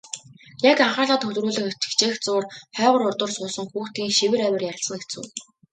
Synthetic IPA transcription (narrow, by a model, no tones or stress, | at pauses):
jakaɴχaːɮaːt̪xɵɮ̆ruːɮɘ̆xe̥t͡ɕɘ̥̆kt͡ɕeːxt͡sʊːrχœːʁə̆ɾʊrt̪ʊ̆rsʊːsə̆ŋxuːxt̪iːŋʃiwɘ̆ɾæwʲɪ̆rjaɾʲə̆ɬsə̆ŋet͡sɘ̰̆ː